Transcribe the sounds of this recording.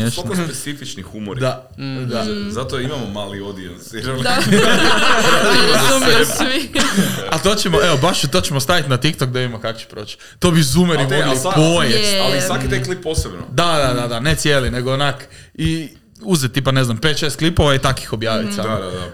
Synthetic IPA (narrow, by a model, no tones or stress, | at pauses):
esspeifit͡ʃnixumoɾd̪a | d̪azat̪oimamomaːliod̪iansiɾan | zmsʋi | at̪oːt͡ɕemoeʋobaʃt̪ot͡ɕemost̪aʋit̪nat̪ikt̪ok̚d̪aid̪imakako̥t͡ɕe̥pɾo̞ːt͡ɕ | t̪obizumeɾimoipojealisʋakit̪ajklipːosebno̰d̪ad̪ad̪ad̪anet̪sjeline̞ɡoonak | i | uzɛt̪ːipaneznampet̪ʃeːst̪klipoʋait̪aki̥xo̞bjaːʋḭt̪saaa